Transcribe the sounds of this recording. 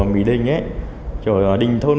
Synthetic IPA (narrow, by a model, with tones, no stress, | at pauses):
mḭ˧˦ɗï˨˩ŋ̟ʔe˦ | t͡ɕɔ˨˩˨ɗï˨˩ŋ̟t̪ʰo˧n